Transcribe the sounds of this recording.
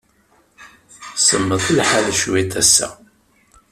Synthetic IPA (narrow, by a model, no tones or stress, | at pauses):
səmːəðˤəlħalʃwiθæsːæ̰